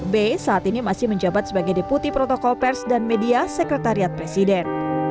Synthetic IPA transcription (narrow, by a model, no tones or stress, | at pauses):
besaːt̪inimasɪhməɲd͡ʒabat̪̚səbaɡajdeput̪ipɾɔt̪ɔkɔlpɛrsdanmediasɛkɾɛt̪aɾiat̪̚pɾesidɛn